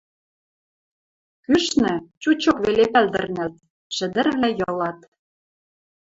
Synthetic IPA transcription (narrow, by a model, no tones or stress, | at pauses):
kyʃnɘ̆t͡ɕut͡ɕokβelepæld̪ɘ̆rnælt̪̚ | ʃɘ̆d̪ɘ̆rβlæjɤ̆lɑt̪